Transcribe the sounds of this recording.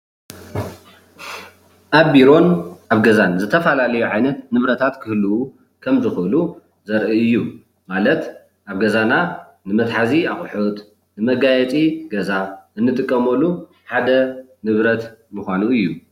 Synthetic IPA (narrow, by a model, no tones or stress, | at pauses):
ʔaβbiɾo̞nʔaβɡɐzanzɨt̪ʰɐfɐlalɐjuʕajnɐt̪nɨβɾɐt̪ʰat̪kʰɨhluu | kʰɐmzɨxʔɨlu | zɐɾʔiɨjːu | malɐt̪ | ʔaβɡɐzana | nɨmɐt̪ħaziaxʼħut̪ʼ | nɨmɐɡajɛt͡sʼiɡɐzaʔɨnːɨt̪ʼɨkʼːɐmɐlːu | ħad̪ɐ | nɨβɾɐt̪mɨxʷanuɨjːu